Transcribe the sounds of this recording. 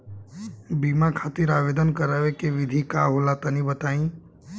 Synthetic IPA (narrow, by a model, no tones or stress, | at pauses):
bimakʰaːt̪iɾaːʋeːd̪ənkəɾaʋekeʋɪd̪ʱikaɦolat̪ənĩbət̪aːĩː